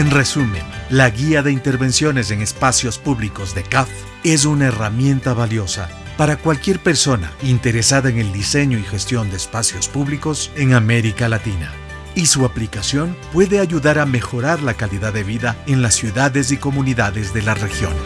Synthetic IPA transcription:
enre̞sumẽnlaɣiaðe̞int̪e̞ɾβe̞nsjo̞ne̞s̬e̞ŋe̞spasjo̞spuβliko̞zðe̞kaf | e̞s̬unaeramje̞nt̪aβaljo̞sa̰ | paɾakwalkje̞ɾpe̞ɾso̞na̰int̪e̞ɾe̞saðaeŋe̞ld̪ise̞ɲo̞ixe̞st̪jo̞nd̪e̞ːspasjo̞spuβliko̞se̞ŋame̞ɾikalat̪ina̰ | isuaplikasjo̞npwe̞ðe̞aʝuðaɾame̞xo̞ɾaɾlakaliðaðe̞βiðaenlasːjuðaðe̞s̬iko̞muniðaðe̞zðe̞lare̞xjo̞̰n

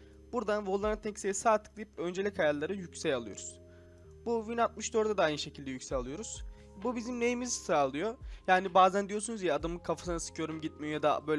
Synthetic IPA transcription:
b̥uɾd̪anvolˠːaɾnat̪ʰɛcseisaːt̪ʰɯ̥k̚d̪ijipø̞nd͡ʒelʲickʰajaɾlˠaɾɯjycsɛjalˠɯjoɾuz̥ | buvinalˠt̪̚mɯʃd̪øɾd̪ad̪aajnɯʃe̞cʰilʲd̪ɛjycʲsɛcalˠɯjo̞ɾuz̥ | bubizimnejimizsɯɾalˠɯjojaːnibaːzænd̪ijosunuzijɛad̪ɯmɯkʰafḁsɯnasɯ̥kʰɯjo̞ɾumɟit̪̚mijad̪abø̞l

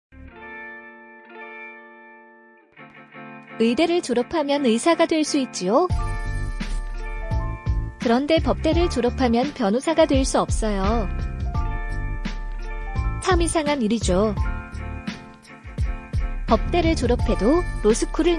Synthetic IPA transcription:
ɯide̞ɾɯɭt͡ɕoɾʌpʰamjʌnɯisʰaɡadwe̞ɭs͈uit̚t͡ɕ͈io | kɯɾʌnde̞pʌp̚t͈e̞ɾɯɭt͡ɕoɾʌpʰamjʌnpjʌnosʰaɡadwe̞ɭs͈uʌp̚s͈ʌjo | sʰamisʰaŋaniɾid͡ʑo | pʌp̚t͈e̞ɾɯɭt͡ɕoɾʌpʰe̞doɾosʰɯkʰuɾɯɭ

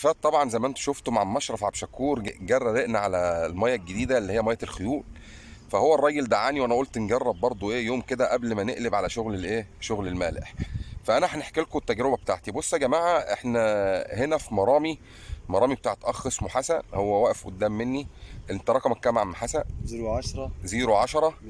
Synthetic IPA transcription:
fæːt̪t̪ˤːɑbʕɑnzæjmæʔent̪o̥ʃoft̪omʕammɑʃɾˤɑfʕabʃækːuːɾɡærˤːɑɾeʔnæʕalælmæjːælɡed̪iːd̪ælːihejːæmæjːæelxojuːl | fæhowːærˤːɑːjeld̪aʕaːniwænæʔolt̪nɡɑrˤːɑbːɑɾˤd̪ˤoʔeːjoːmked̪æʔæblmæneʔlebʕalæʃoɣlelʔeːʃoɣlelmæːlḛħfæʔænæʔħneħkelkot̪ːæɡɾebæb̚t̪a̰ʕt̪ibosˤːæɡæmaːʕaʔeħnæhenæfimɑɾˤɑːmi | mɑɾˤɑːmibet̪aːʕet̪ʔɑxːesmuħasænhowːæwæʔefʔo̰d̪ːæːmːenːiʔent̪ɑɾˤɑkɑmekːæmaʕmħasæ | ɾˤziːɾoʕaʃɑɾˤɑ

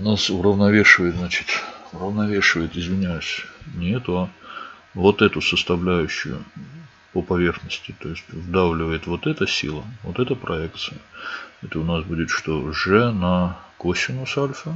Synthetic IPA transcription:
ʊnasʊɾəvnɐvʲeʂɨvəjɪt̪znat͡ɕɪ̥t̪ʲʊrəvnɐvʲeʂɨvəjɪt̪ɪzvʲɪnʲæjʉsʲnʲɪɛt̪ʊɐ | vo̞t̪ɛt̪ʊsəst̪ɐvlʲæjʉɕːʊ̰jʊ̰ | pəpɐvʲe̞rxnəsʲtʲɪt̪o̞ɪsʲtʲvɨd̪avlʲɪvəjɪt̪vo̞t̪ɛt̪əsʲḭlˠəvot̪ɛt̪əpɾʔɐɛkt̪sɨjəɛt̪əʊnasbudʲɪt̪ʂt̪oʐɛnɐkosʲɪnʊsalʲfə

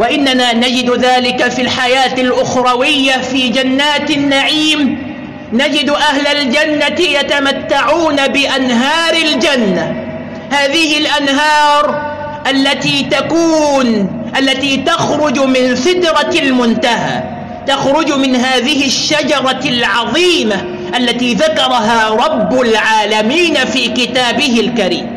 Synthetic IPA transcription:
waʔɪnːanaːnad͡ʒɪd̪ðaːlɪkafilħajaːt̪alʔʊxɾˤɑwɪjːafiːd͡ʒanːaːt̪nːaʕiːm | nad͡ʒɪd̪ʔahlald͡ʒanːatjat̪amat̪ːaʕuːnabɪʔanɦɑːɾˤɪld͡ʒanːa | haːðɪhɪlʔanɦɑːɾˤ | ʔalːat̪iːt̪akuːn | ʔalːat̪iːt̪axɾʊd͡ʒmɪnθɪd̪ɾˤɑlmʊnt̪aɦa̰ː | t̪axɾˤʊd͡ʒmɪnɦaːðɪhɪʃːad͡ʒɑɾˤɑlʕɑðˤiːma | ʔalːat̪iːðakɑɾˤɑɦaːɾˤɑbːʊlʕaːlamiːnafiːkɪt̪aːbɪɦɪlkaɾḭːm

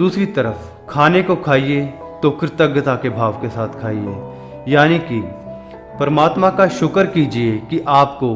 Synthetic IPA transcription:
d̪uːsɾit̪ɐɾəf | kʰaːnekokʰaːie | t̪okɾt̪ɐɡət̪akebʱaːʋkesaːt̪ʰkʰaːiḛ | jaːniki | pəɾəmaːt̪mãkaʃʊkəɾkiːd͡ʒiekiʔaːpko

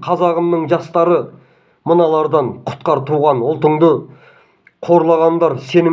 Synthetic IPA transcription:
qʰɑzɑʁəmnəɴʒɑst̪ɑɾə | mənɑlˠɑɾd̪ɑɴqʰʊ̥t̪̚qɑɾt̪ʰuʁɑnʊlˠt̪əɴd̪ə | qʰo̞ɾlˠɑʁɑnd̪ɑɾse̞nɪ

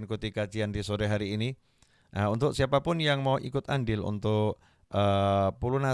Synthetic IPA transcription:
nkut̪ikḁd͡ʒiand̪isoɾɛɦaɾiːni | ʔaunt̪ʊksiapapʊnjaŋmawʔikʊt̪anɖɪlṵnt̪ʊʔ | əpuluna

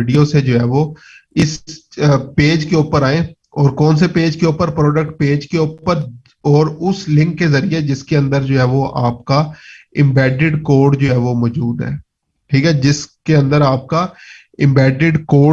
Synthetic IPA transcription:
ɪɖijosed͡ʒoːɦɛːʋo | ɪs | peːd͡ʒkeuːpəɾaːẽː | ɔːɾkɔːns̬epeːd͡ʒkeuːpəɾpɾɔːɖək̚ʈ̚peːd͡ʒkeuːpəɾ | ɔːɾʊslɪ̃ŋkːezəɾied͡ʒɪskeə̃nd̪əɾd͡ʒoːɦɛːʋoʔa̰ːpkaɪ̃mbɛːɖɪɖkoːɾɖd͡ʒoːɦɛːʋomɔːd͡ʒuːd̪ɦɛ̰ː | ʈʰiːkɛːd͡ʒɪskeə̃nd̪əɾaːp̚ka | ɪ̃mbɛːɖɪɖkoː

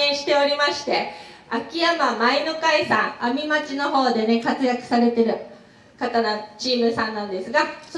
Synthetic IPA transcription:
ẽɰ̃ɕi̥t̪e̞o̞ɾʲimaɕi̥t̪e̞akʲiamamainokaisãŋamʲimat͡ɕino̞ɦo̞ːd̪e̞ne̞kat͡sɨjakɯ̟̥saɾe̞t̪e̞ɾɯ̟ | kat̪anot͡ɕiːmɯ̟sãnːãnd̪e̞sɨɡas

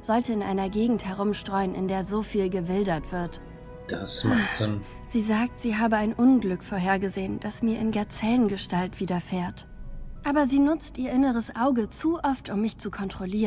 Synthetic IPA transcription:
z̥ɔltəɪnʔa̰ɪnɐɡeːɡŋ̩thɛʁ̞ʊmʃtʁ̥ɔʏənʔɪ̰ndeːɐzoːfiːlɡəvɪldɐtv̥ɪɐt | d̥asmn | z̥iːzaːk̚tz̥iːɦaːbəaɪnʔʊnɡlʏkfoːɐɦeːɐɡəzeːənd̥asmiːɐʔɪnɡaɐt͡sɛːlənɡəʃtaltv̥iːdɐfeːɐt | ʔaːbɐziːnʊt͡stʔiːɐʔɪnəʁ̞əsʔaʊɡət͡suʔɔftʰʊmːɪçt͡sukʰɔntʁ̥oliːʁən

